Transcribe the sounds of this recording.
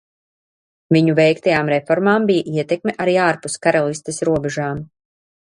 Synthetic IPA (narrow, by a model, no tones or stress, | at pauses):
viɲuvɛjkt̪ajaːmɾɛfɔɾmaːmbijaʔiɛt̪ɛkmʲɛʔaɾiːaːɾpuskaɾalˠist̪ɛsɾuɔbɛʒaːm